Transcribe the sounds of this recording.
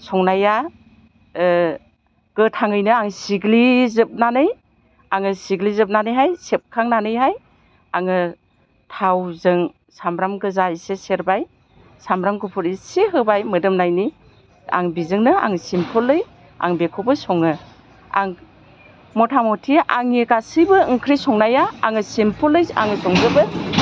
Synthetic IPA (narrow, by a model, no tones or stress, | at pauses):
sɔŋnaja | ɡ̥ɯtʰaŋɯjnɯaŋsiɡlizɯp̚nanɯj | aŋɯsiɡlizɯp̚nanɯjɦajsep̚kʰaŋnanɯjɦaj | aŋɯ | tʰawzɯŋ | samɾamɡɯzaiseseɾbaj | samɾamɡupʰuɾiseɦɯbajmɯdɯmnajni | a̰ŋbizɯŋnɯa̰ŋsimpʰɔlːɯj | a̰ŋbekʰɔbɯsɔŋɯ | a̰ŋ | mɔtʰamɔtʰiʔaŋikasijbɯŋkʰɾisɔŋnajaːŋɯsimpʰɔlːɯja̰ŋɯsɔŋzɯbɯ